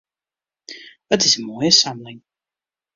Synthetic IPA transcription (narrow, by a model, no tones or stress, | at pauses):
ðətɪzəmɔɪəsamlɪ̃ŋ